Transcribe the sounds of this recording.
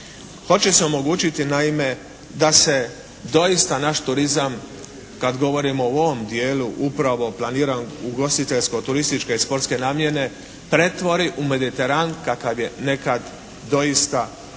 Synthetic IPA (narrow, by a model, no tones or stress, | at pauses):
xo̞t͡ɕeseo̞mo̞ɡuːt͡ɕit̪inaime̞ | d̪ase̞ | d̪o̞ist̪anaʃt̪uɾizam | kad̪ɡo̞ʋo̞ɾimoo̞ʋomd̪jeːluʔupɾaʋo̞plˠaniːɾanuɡo̞st̪it̪e̞ʎsko̞t̪uɾist̪it͡ʃkeispo̞ɾt̪ske̞naːmjene̞ | pɾe̞t̪ʋo̞ɾiʔume̞d̪it̪e̞ɾankakaʋjene̞kad̪ | d̪o̞ist̪a